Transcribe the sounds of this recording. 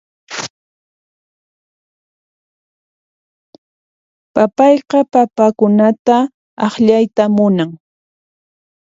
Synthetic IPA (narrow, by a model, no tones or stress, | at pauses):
papɑjqɑpapakʊnat̪a | ɑχʎajt̪amʊnaŋ